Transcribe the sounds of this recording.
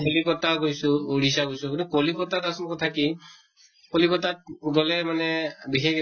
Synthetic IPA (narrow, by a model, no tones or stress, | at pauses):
olikɔtakojsʊoɽis̬aɡojsʊkunukolikɔtatasɔnkɔtʰaki | kolikɔtat̚dɔlɛmanɛbixek